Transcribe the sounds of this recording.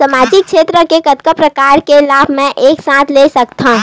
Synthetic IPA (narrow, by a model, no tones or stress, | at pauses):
sɐmaːd͡ʒɪkʃeːt̪ɾəkekɐt̪kəpɾɐkaːɾkelaːbʱmɛ̃ʔeːksãːt̪ʰlesɐk̚t̪aɦũ